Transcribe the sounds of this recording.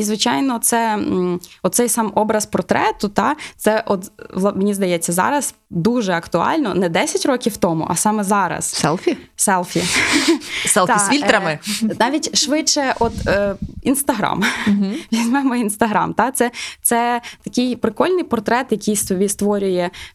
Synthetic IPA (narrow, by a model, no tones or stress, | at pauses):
izʋɪt͡ʃɑjnɔt̪sɛ | ɔt̪t̪sɛjsɑmɔbɾɐspɔrt̪ɾɛt̪ʊt̪ɑt̪sɛʔɔt̪ʋˠmnʲizd̪ɐjɛt͡sʲːɐzɑ̰ɾɐz | d̪uʒɛɐkt̪ʊɑ̰lʲnɔ̰nɛd̪ɛsʲɐtʲɾɔkʲiwt̪ɔmʊ̰ʔɐsɑmɛzɑɾɐ̰ssɛlˠfʲisɛlˠfʲi | sɛlˠt̪sʲilʲt̪ɾɐmɪnɑʋʲitʲʃʋɪt͡ʃɛʔɔt̪ːinst̪ɐɦɾɑ̰mʋʲizʲmɛmɔinst̪ɐɦɾɑ̰mt̪ɑt̪sɛt̪sɛt̪ɐkɪjpɾɪkɔlʲnɪjpɔrt̪ɾɛt̪jɐkʲijst̪ʋʲist̪ʋɔɾʲʊjɛ